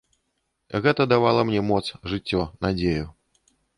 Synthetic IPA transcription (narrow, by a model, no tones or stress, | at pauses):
ɣɛt̪ɐd̪avalˠɐmnʲɛmɔt̪sʐɨt͡sʲːɔnad͡zʲeju